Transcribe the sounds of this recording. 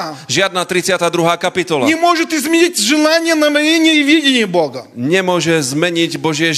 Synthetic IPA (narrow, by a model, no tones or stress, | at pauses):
ʒɪad̪̚naːt̪ɾit͡sɪat̪aːd̪ɾuɦaːkapit̪ɔla̰ɲɛmʊɔʒɛt̪izmʲɛɲitʲʒɛlaɲɪɛnamɛjɛɲɪɛiʋjɛɟʲɛɲɪɛbɔɡɐɲɛmʊɔʒɛzmɛɲiɟbɔʒɪɛ